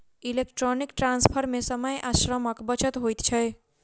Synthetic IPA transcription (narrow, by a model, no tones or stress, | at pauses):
ilekʈɾonikʈɾãnspʰəɾmẽsəməjʔaʃɾəməkbət͡ʃət̪ɦojt̪t͡ʃʰəj